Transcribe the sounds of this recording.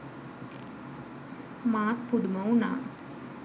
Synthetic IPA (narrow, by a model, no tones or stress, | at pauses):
maːkpuɽumɐwna̰ː